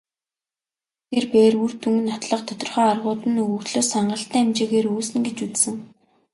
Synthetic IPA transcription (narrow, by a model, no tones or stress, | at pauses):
t̪ʰerpeːrur̥t̪ʰuŋɘ̆nːɔt̪ɮɞ̆qt̪ʰɔt̪ɞ̆rχœːarʁʊːt̪ɘ̆nɵɣɵ̆xɮoːsaɴɢə̆ɬt̪æːæmt͡ɕeːɣeːɾuːsɘ̆nɡet͡ɕut͡ssɘ̆ŋ